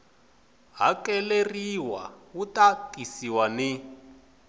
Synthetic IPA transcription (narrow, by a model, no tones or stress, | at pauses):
ɦakɛleriwa̰wutakisiwani